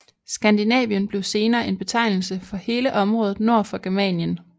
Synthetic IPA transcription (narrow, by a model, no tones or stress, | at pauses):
sɡ̥ænd̥inɛ̰ːʋiənb̥le̝ʊse̝ːnɐːʔe̝nb̥e̝t͡sʰɑ̈ɪnl̩səfɒ̽he̝ːləʔɒ̽mʁɔ̽ːðð̩ˠno̝ɐ̰fɒ̽ɡ̥æɐmɛ̰njən